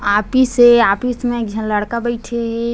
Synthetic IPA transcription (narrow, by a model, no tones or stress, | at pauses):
aːpiseaːpismẽkd͡ʒʱələɽkabəɪʈʰeɦe